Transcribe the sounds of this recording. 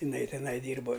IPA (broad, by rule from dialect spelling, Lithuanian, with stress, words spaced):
ɪˈnɐɪ tʲɪˈnɐɪ ˈdʲiːrboː